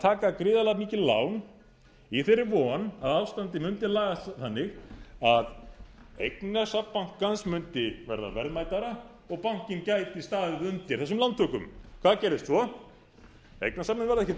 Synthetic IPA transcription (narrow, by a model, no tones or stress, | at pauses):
t̪ʰaːkakɾɪːðalaɣmiːcɪla̰wn | iθɪrɾːɪɾvɔnaðawst̪ant̪ɪmʏnt̪ɪlaːɣaθanːɪxaðejknasapːaŋ̥kʰːansmʏnt̪ɪvɛ̰ɾða̰vɛɾðmaːjt̪aɾa | ɔɣpawŋ̥cɪncajt̪ist̪aːðɪðʏnt̪ɪɾθɛs̬ʏmlant̪ʰːœːkʏ̰mkʰvaːðcɛːɾðɪst̪fɔ | ḛjknasapnɪnvɛɾðaɛcɪ